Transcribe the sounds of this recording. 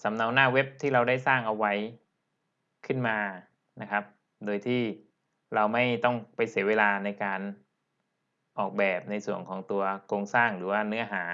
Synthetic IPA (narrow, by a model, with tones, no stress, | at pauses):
sa˩˦mna˧˥wnaː˥˩we˦˥p̚t̪ʰiː˥˩ɾa˧wda˥˩jsaː˥˩ŋʔa˧wa˦˥j | kʰɯ˥˩nmaː˧ | na˦˥kʰa˦˥p̚ | doː˧jt̪ʰiː˥˩ | ɾa˧wma˥˩jt̪ɔ˥˩ŋpa˧jsi˨˩˦weː˧laː˧na˧jkaː˧n | ʔɔː˨˩k̚bɛː˨˩p̚na˧jsu˨˩əŋkʰɔː˩˦ŋt̪u˧ɐkʰɾoː˧ŋsaː˥˩ŋɾɯː˩˦waː˥˩nɯ˦˥ɐɦaː˩˦